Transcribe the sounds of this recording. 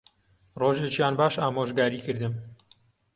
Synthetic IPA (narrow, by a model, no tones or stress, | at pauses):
roːʒet͡ʃjaːnbaːʃaːmoːʒɡaːɾiːkɨɾd̪ɨm